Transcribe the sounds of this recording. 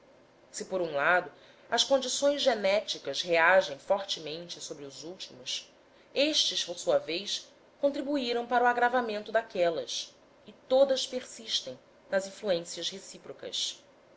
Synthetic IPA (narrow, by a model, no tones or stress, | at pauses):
sɪpoɾũlad̪ʊ | ɐskõnd͡ʒisõj̃zʒenɛt͡ʃikɐsheaʒẽj̃fɔɾt͡ʃɪmẽnt͡ʃɪsobɾɪʊzuwt͡ʃimʊs | eʃt͡ʃɪspoɾsuɐvejs | kõnt̪ɾibuiɾɐ̃w̃paɾuaɡɾavamẽnt̪ʊd̪akɛlɐs | ɪt̪od̪ɐʃpeɾsiʃt̪ẽj̃ | nɐzĩfluẽsiɐshesipɾokɐ̰s